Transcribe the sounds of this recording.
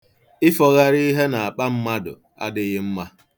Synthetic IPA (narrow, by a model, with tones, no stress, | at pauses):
ɪ˦fɔ˨ɣa˦ɾi˦ɦe˦na˨a˨k͡pa˦m̩˦ma˦dʊ̰˨ | a̰˦dɪ˨ɣɪ˦m̩˦ma˦